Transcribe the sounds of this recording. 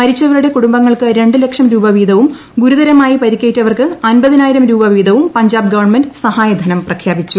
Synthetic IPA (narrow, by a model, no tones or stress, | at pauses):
mɐɾit͡ɕːɐʋɐɾuɽe̞kuɽumbɐŋːɐɭkɨɾe̞ɳɖɨle̞kʂɐmɾuːbɐʋiːd̪ʱɐʋum | ɡuɾuðɐɾɐmaːjipɐɾikʲːejiʈːɐʋɐrkɨɐnbɐðinaːjiɾɐmɾuːbɐʋiːd̪ɐʋumpɐɲd͡ʑaːbɨɡɐʋɐrɳmendɨsɐhaːjɐd̪ʱɐnɐmprɐkʰjaːbit͡ɕːu